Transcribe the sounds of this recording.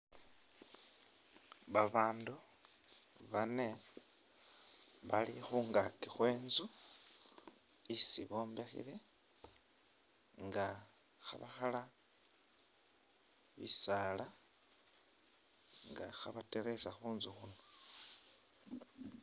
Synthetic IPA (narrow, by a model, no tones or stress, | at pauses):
βaβaːndu | βane̞ | βalixuːŋɡakixwe̞ːnzu | isiβo̞ːmbe̞xḭle̞ | ŋɡa | xa̰βaxala | βḭsala | ŋɡa̰xaβateɾe̞saxuːnzuxuno